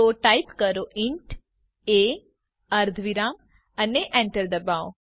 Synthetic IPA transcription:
oʈaipkəɾoʔɪɳʈ | e | əɾd̪ʱʋiɾam | əneʔɛ̃ɳʈəɾd̪əbaːo

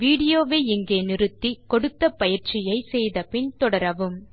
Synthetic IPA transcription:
ʋiːɽɪjoːʋeːɪŋɡeːnɪɾɯt̪ːikɔɽɯt̪ːɐpɐjɪɾt͡ʃɪjɐɪsɛjðɐpɪɳt̪ɔɽɐɾɐʋɯm

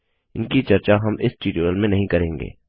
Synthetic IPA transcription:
ɪnkit͡ʃɐɾt͡ʃaɦɐmɪsʈiːʈuəlmẽnɐɦĩkɐɾẽːŋɡḛː

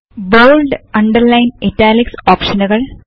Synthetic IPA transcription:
ʋoːɭɖɐɳɖɐɾlɐjnetːaːliksoːpʂɐnuɣɐɭ

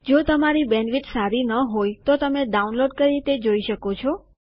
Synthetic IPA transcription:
d͡ʒot̪əmaɾibɛnʋiʈsaɾinəɦojt̪ot̪əmeɖaunloɖkəɾit̪ed͡ʒoiʃəkot͡ʃʰɔ

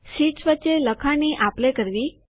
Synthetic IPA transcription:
siʈsʋətːt͡ʃːeləkʰaniʔaplekəɾʋi

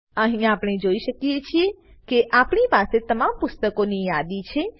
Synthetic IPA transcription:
əɦĩapɽ̃ɳ̃ed͡ʒoiʃəkjet͡ʃʰie | keʔapɳipaset̪əmampʊst̪əkonijad̪it͡ʃʰe

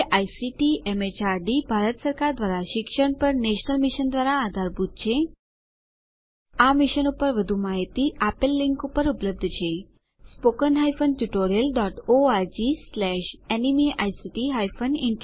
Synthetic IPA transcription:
ʔajsiʈiʔemet͡ɕaɾɖibʱaɾət̪səɾkaɾd̪ʋaɾaɕikʂəɳpəɾneɕnəlmiɕənd̪ʋaɾaːd̪ʱaɾbud̪̚ʱt͡ɕʰe | amiɕənupəɾʋəd̪ʱuːmaɦit̪iːapəlːiŋkupəɾupələb̚d̪ʱət͡ɕʰe | spokənɦajfənʈjuʈoɾijəlɖɔʈoaɾd͡ʑislɛɕenimiʔajsiʈiɦajfəniɳʈ

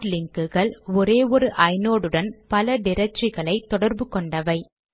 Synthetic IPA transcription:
ɾlɪŋkɯɣɐɭɔɾeːʋɔɾɯʔɐɪnoːɽɯɽɐnpɐlɐɖɪɾɐt͡ʃːɪɣɐɭɐɪt̪ːɔɽɐɾbɯkɔɳɖɐʋɐɪ

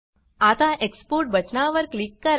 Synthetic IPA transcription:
at̪aʔekspoɾʈ̚bʱəʈnaʋəɾklikːəɾ

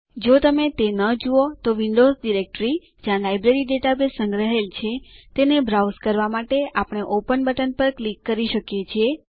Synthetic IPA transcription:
d͡ʒot̪əmet̪enəd͡ʒuot̪oʋiɳɖozɖiɾek̚ʈɾi | d͡ʒjãlajbɾeɾiɖeʈabesə̃ŋɡɾəɦelt͡ʃʰet̪enebɾauskəɾʋamaʈeapəɳ̃eʔopənbəʈənpəɾklikːəɾiʃəkjet͡ʃʰie

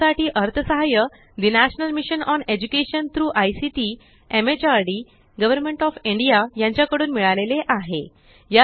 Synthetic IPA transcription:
aʈiːʔəɾt̪ʰəsəɦajə | d̪inæɕnəlmiɕənɔned͡ʑukeɕənt̪ɾuːʔajsiʈi | emet͡ɕaɾɖi | ɡəʋəɾmẽɳʈɔfiɳɖijajãɲt͡ɕjakəɽuːnmiɭaleleʔaɦe | ja

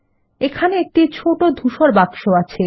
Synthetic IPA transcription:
ekʰaneek̚ʈit͡ɕʰoʈod̪ʱuʃoɾbakʃoat͡ɕʰe

